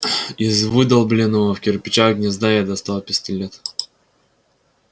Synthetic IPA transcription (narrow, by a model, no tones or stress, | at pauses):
izvɨd̪ɐlˠblʲɪnəvəfkʲɪrpʲɪt͡ɕaɡnʲɪzd̪ajad̪ɐst̪alˠpʲɪsʲtʲilʲet̪